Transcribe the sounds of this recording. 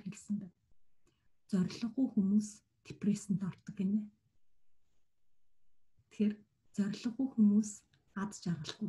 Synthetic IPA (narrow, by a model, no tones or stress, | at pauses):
xeɮsɘ̆mp̪æː | t͡sœɾ̆ʲɮɞ̆χujxumuːs | t̪ʰe̥presɘ̆n̥t̪ɔrt̪ɞ̆keneː | t̪ʰxer | t͡sœɾʲɮɞ̆ʁujxumuːs | at̪t͡ɕarʁə̆ɬu